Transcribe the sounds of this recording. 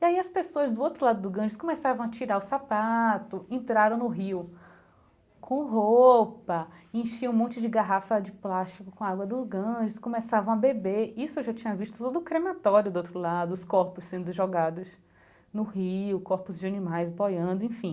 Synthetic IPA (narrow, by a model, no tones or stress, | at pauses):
iaiɐspesoɐzd̪ʊowt̪ɾʊlad̪ʊd̪ʊɡɐ̃ʒɪskõmesavɐ̃w̃at͡ʃiɾaɾʊsapat̪ʊẽnt̪ɾaɾɐ̃w̃nʊɦiw | kʰõʊɦopɐẽʃiɐ̃ũmõnt͡ʃɪd͡ʒɪɡaɦafɐd͡ʒɪplast͡ʃikʊkõaɡwɐd̪ʊzɡɐ̃ʒɪskõmesavɐ̃w̃abebeɾisʊewʒat͡ʃĩɲɐviʃt̪ʊ̥t̪od̪ʊːkɾemat̪ɔɾjʊd̪ʊowt̪ɾʊlad̪ʊʊskɔɾpʊssẽnd̪ʊʒɔɡad̪ʊz | nʊhiʊkɔɾpʊzd͡ʒɪɐnĩmajzbojɐ̃nd̪ʊẽfĩ